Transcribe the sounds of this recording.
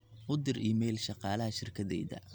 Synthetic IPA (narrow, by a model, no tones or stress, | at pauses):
ʔʊd̪ɪriːmɛjlʃɑqɑːlɐɦɐʃɪrkʰɐðɛ̰jðɐ̰